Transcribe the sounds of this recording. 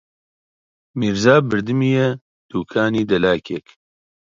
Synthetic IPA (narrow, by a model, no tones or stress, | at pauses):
miːɾzaːbɨɾd̪ɨmiːjɛ | d̪̥uːkʰaːniːd̪ɛlaːkʰek